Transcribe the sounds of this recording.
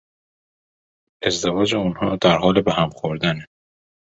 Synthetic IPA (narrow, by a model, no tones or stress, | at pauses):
ʔe̞zd̪evɒːd͡ʒeunhɒːd̪æɾɦɒːlebeɦæmxoɾd̪æne